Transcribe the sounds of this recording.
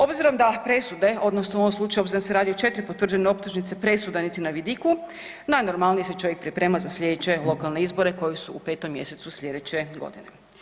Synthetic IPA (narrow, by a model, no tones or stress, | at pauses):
o̞bziɾo̞md̪apɾe̞sud̪e̞o̞d̪nosnooomslˠuːt͡ʃajuobziɾonseɾaːd̪iot͡ʃe̞t̪ɾipot̪ʋr̩d͡ʒeneo̞p̚t̪uʒnit̪se̞pɾe̞sud̪anit̪inaʋid̪iku | najno̞ɾmalnijese̞t͡ʃo̞jek̚pɾipɾe̞ːmazaslʲʎʲe̞d̪et͡ɕe̞lˠo̞kalˠne̞izbo̞ɾe̞ko̞jesuupe̞ːt̪o̞mːje̞se̞t̪suslʲʎʲe̞d̪et͡ɕe̞ɡo̰d̪ine̞